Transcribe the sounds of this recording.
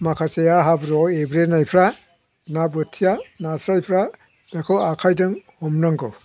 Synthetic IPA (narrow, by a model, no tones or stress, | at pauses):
makʰasejaɦabɾɔebɾenajpʰɾa | nabɯtʰijanasɾajpʰɾa | b̥ekʰawakʰajdɯŋhɔmnaŋɡɯw